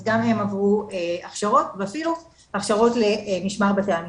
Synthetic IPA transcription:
ɡame̞mavʁueaχʃaʁo̞tveafilu | aχʃaʁo̞tle̞miʃmaʁbateam

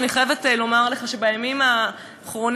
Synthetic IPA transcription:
niχajevetlo̞maʁle̞χaʃe̞bajamima | χʁon

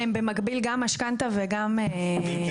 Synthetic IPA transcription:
embemaɡbilɡamaʃkant̪aveɡame

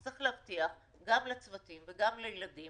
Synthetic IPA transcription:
ʁiχleavt̪iaχ | ɡamlet͡svat̪imveɡamlejladi

